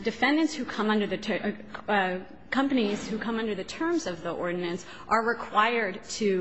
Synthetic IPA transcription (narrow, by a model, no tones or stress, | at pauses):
dɨfɛ̃ndɨ̃ntshʉkʰʌ̃mʌ̃ndə˞ðɨ | kʰʌ̃mpɨniz̥hʉkʰʌ̃mʌ̃ndə˞ðɨtʰɜ̃˞mzʌvðiʔɔɹdⁿn̩ɨ̃ns | ʔə˞ɹɨkʰw̥aɪə˞d̚tʰɨ